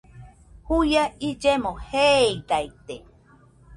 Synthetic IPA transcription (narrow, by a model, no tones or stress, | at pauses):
hujaid͡ʒemoheid̪ait̪e